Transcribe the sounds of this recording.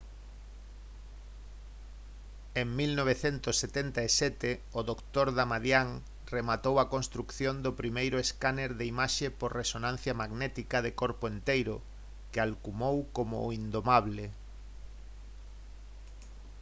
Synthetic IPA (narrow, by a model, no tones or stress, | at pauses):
eŋmilnoβeθɛnt̪ʊsːet̪ɛnt̪aesɛt̪ɪoðokt̪oɾðamaðjaŋ | remat̪owɐkõnst̪ɾukθjond̪ʊpɾimejɾʊeskaneɾðeimaʃepoɾresonãn̟θjɐmaɣnɛt̪ikaðekoɾpoent̪ejɾʊ̰ | kɪalkumowkomʊ̰ind̪omaβle